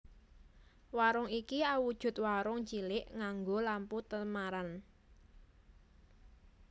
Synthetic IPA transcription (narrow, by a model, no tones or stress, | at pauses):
waɾʊŋikiawud̥ʒ̥ʊ̤t̪̚waɾʊŋt͡ʃilɪʔŋaŋɡolamput̪əmaɾan